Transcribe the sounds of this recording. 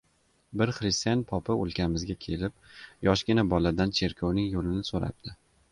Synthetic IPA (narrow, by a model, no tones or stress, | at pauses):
bɪɾχɾɪst̪ijanpʰɒpʰɪo̰lˠkʲamɪzɡʲakʲʰe̞lɪp̚jɒʃɡʲɪnabɒlad̪ant͡ʃʰe̞ɾkʰɒwnɪŋjolɪnɪsoɾa̰p̚d̪ʰɪ